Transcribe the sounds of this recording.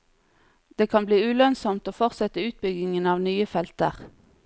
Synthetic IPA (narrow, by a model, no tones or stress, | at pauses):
d̪̥eːkʰɑnbliːʉːlœnsɔmt̪oːfɔʁt̪sɛt̪əʉːt̪̚bʏɡɪŋənɑːʋnyːəfɛlt̪əʁ